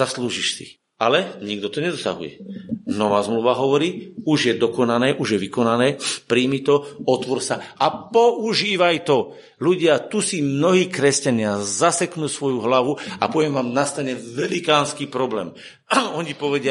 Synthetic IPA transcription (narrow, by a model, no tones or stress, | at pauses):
zasluːʒiʃsḭ | alɛɲiɡd̪ɔt̪ɔɲɛd̪ɔsa̰ɦṵjɛ̰nɔʋaːzmluːʋaɦɔʋɔɾiːuʒjɛd̪ɔkɔnanɛːʔuʒjɛʋikɔnanɛːpɾiːmit̪ɔɔt̪ʋɔɾsaapɔʔuʒiːʋajt̪ɔ | luɟɪat̪usimnɔɦiːkɾɛscaɲɪazasɛknuːsʋɔjuɦlaʋua̰pɔʋɛmʋaːmnast̪aɲɛʋɛlikaːnskiːpɾɔblɛːm | ɔɲipɔʋɛɟɪa